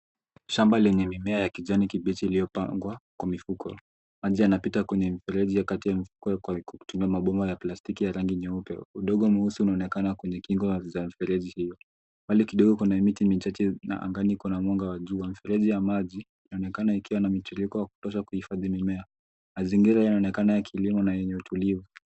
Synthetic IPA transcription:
ʃambalɛɲɛmimɛajakiʄanikiɓitiːliɔpaŋɡwakwamifukʰɔ̰ | maʄianapitakwɛɲɛm̩ifɛɾɛʄijakatijamifu̥kɔkutumiamaɓɔmbɔjaplastikijaɾaŋɡiɲɛupɛ̰uɗɔɠɔmuhusuːnaɔnɛkanakwɛɲɛkiŋɡɔzam̩ifɛɾɛʄihijɔ | walikiɗɔɠɔkunamitimit͡ʃat͡ʃɛna̰ʔa̰ŋɡanikunamwɔŋɡawaʄuwamifɛɾɛʄijamaʄiːnaɔnɛkanaikiwanamituɾikɔjaku̥tɔʃakuhifaðimimɛa | maziŋɡiɾaajainaɔnɛkanajakʰilimɔnajɛɲɛutulivu

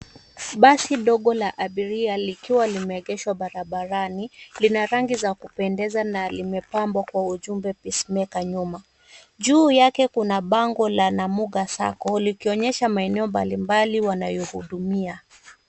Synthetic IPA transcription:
ɓasiɗɔɠɔlaʔaɓiɾialikiwalimɛːɠɛʃwaɓaɾaɓaɾanilinaɾaŋɡizakupɛndɛzanalimɛpambwakwauʄumbɛpismɛkaɲuma | ʄuːjakɛkunaɓaŋɡɔlanamuɠasa̰kɔlikiɔɲɛʃamaɛnɛɔmba̰limbaliwanajɔhuɗumia

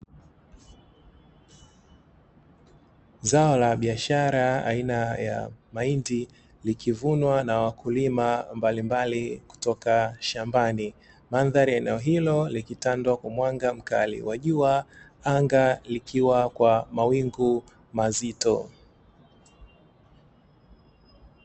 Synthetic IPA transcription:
zaɔlaɓiaʃaɾaa̰inaja̰maindi | likivunwanawakʰulimambalimbaliku̥tɔkaʃambani | manðaɾiɛnɛɔɦilɔlikitandwakwamwaŋɡam̩ka̰lḭwaʄua | aŋɡalikʰiwakwamawiŋɡu | mazitɔ

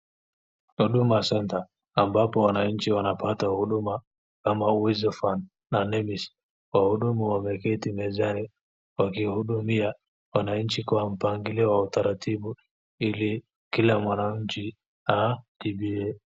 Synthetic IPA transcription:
huɗumasɛntaː | mbapɔwanaɲ̩t͡ʃiwanapatahuɗuma | kamauwizɔfanː | anɛmis | wahuɗumuwamɛkɛtimɛzani | wakihuɗumia | wanaɲ̩t͡ʃikwam̩paŋɡiliɔwautaɾatʰiɓu | ili | kilamwanaɲ̩t͡ʃi | aʄiɓiɛ

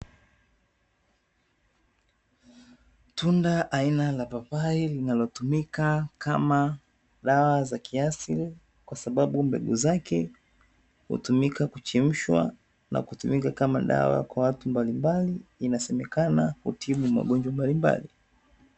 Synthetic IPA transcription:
tundaʔainalapapailinalɔtumikakʰama | ɗawazakʰiasili | kwasaɓaɓumbɛ̰ɠuzakɛ | hṵtumikakut͡ʃim̩ʃwa̰ | na̰kutumikakamaɗa̰wa̰kwawatumbalimbaliːnasɛmɛkanahṵtʰiɓuma̰ɠɔnd͡ʒwambalimba̰li

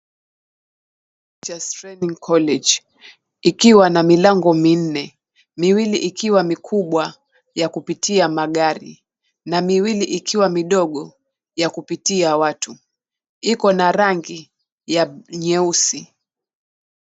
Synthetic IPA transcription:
d͡ʒastɾɛniŋkʰɔlɛd͡ʒ | ikiwanamilaŋɡɔmin̩nɛ | miwiliʔikʰiwamikʰuɓwa | jakupitiamaɠaɾḭ | namiwiliʔikʰiwamiɗɔɠɔ | jakupitiawatʰu | ikɔnaɾaŋɡi | jaɲɛusi

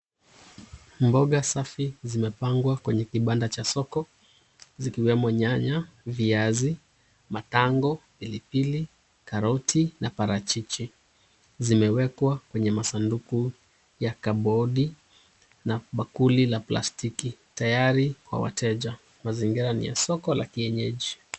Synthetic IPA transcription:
mbɔɠasafizimɛpaŋɡwakwɛɲɛkiɓandat͡ʃasɔkɔ | zikiwɛmɔɲaɲaviazi | mataŋɡɔpilipili | kaɾɔtʰinapaɾat͡ʃit͡ʃi | zimɛwɛkwakwɛɲɛmasanduku | jakaɓɔɗi | naɓakulilapla̰stikitajaɾikwa̰wa̰tʰɛʄa | maziŋɡiɾanḭja̰sɔkɔla̰kiɛɲɛʄi

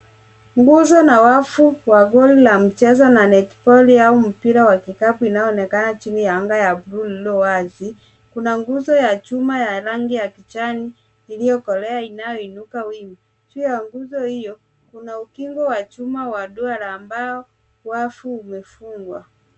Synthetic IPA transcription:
ŋɡuzɔnawafuwaɡɔlilam̩t͡ʃɛzananɛtpɔliaum̩piɾawakikapuinajɔɔnɛkanat͡ʃinijaaŋɡajabɾulilɔwazi | kunaŋɡuzɔjat͡ʃumajaɾaŋɡijakit͡ʃaniː | lijɔkɔlɛainajɔinukawimi | t͡ʃujaŋɡuzɔhijɔ | kunaukiŋɡɔwat͡ʃumawaɗualaːmbaɔ | wafuumɛfuŋɡwa

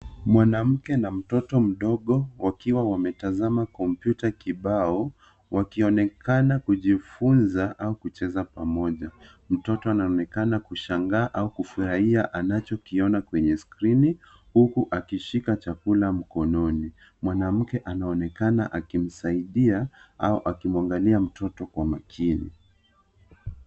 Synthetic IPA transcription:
mwanam̩kɛnam̩tɔtɔm̩ɗɔɠɔwakiwawamɛtazamakɔmpjutakiɓaɔ | wʔakiɔnɛkanakuʄifunzaʔaukut͡ʃɛzapamɔʄa | m̩tɔtɔanaɔnɛkanakuʃaŋɡaːʔaukufuɾahiaʔanat͡ʃɔkiɔnakwɛɲɛskɾini | hukuʔakiʃikat͡ʃakulam̩kɔnɔni | mwanam̩kɛʔanaɔnɛkana̰ʔakim̩saiɗiaauʔakimwaŋɡaliam̩tɔtɔkwamakʰinḭ

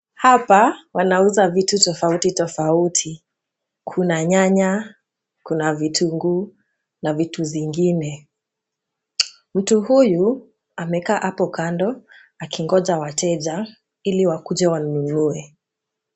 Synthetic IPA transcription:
hapawanauzavitutɔfautitɔfautʰi | kʰunaɲaɲa | kunavitʰuŋɡuː | navituviŋɡinɛ | m̩tuhuju | amɛkaːʔapɔkandɔ | akiŋɡɔd͡ʒawatɛʄa | iliwakud͡ʒɛwanunuɛ

